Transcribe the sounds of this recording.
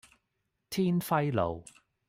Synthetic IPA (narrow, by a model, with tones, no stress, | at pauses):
t̪ʰiː˥nfɐ˥jlo̰˨w